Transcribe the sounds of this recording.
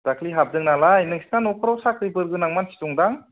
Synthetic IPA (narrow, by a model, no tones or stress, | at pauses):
d̥akʰliɦap̚zɯŋnalajnɯŋsi̥nanɔkʰɯɾawsakʰɾibɯɾɡɯnaŋmansi̥tɔŋdaŋ